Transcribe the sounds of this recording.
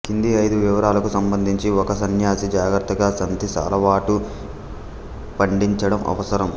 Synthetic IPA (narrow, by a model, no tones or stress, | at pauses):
kind̪iɐjd̪uʋiʋɐɾaːlɐkusɐmbɐnd̪ʱiɲt͡ʃiɔkɐsɐnjaːsid͡ʒaːɡɾɐt̪ːɐɡaːsɐnd̪ʱisa̰ːlɐʋaːʈu | pɐɳɖiɲt͡ʃɐɽɐmʔɐ̰ʋɐsɐɾɐm